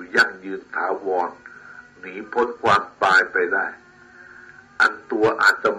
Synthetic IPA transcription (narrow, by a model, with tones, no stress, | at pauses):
ja˥˩ŋjɯː˧nt̪ʰaː˩˦wɔː˧nː | iː˩˦pʰo˦˥nkʰwaː˧mpaː˧jpa˧jda˥˩j | ʔa̰˧nt̪u˧ɐʔa̰ː˨˩t̪̚t͡ɕa˧˩m